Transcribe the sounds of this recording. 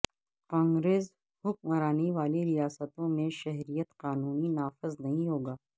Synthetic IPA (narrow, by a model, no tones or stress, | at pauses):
kãːŋɡɾeːz | hʊkmɐɾaːniʋaːliɾijaːsət̪õmẽʃɛɦɾijət̪qaːnuːninaːfɪznɐɦĩɦoːɡaː